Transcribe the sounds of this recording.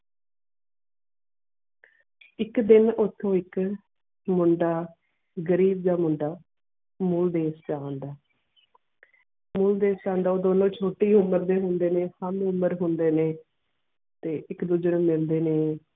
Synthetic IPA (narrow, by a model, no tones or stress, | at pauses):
ɪkd̪ɪnot̪ʰːõːɪk | mʊɳɖaː | ɡəɾiːb̚d̪aːmʊɳɖaː | mʊld̪eːst͡ʃaːnd̪aː | mʊːld̪eːst͡ʃãːnd̪aːoːd̪oːnõːt͡ʃʰoːʈiːʊməɾd̪eːɦʊnd̪eːneːhəmʊməɾɦʊnd̪eːneː | t̪eːʔɪkd̪ʊd͡ʒəɽõːmɪld̪eːneː